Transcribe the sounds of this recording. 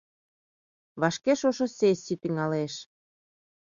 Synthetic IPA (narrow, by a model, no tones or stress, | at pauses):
βɑʃkeʃoʃosesit̪iŋɑleʃ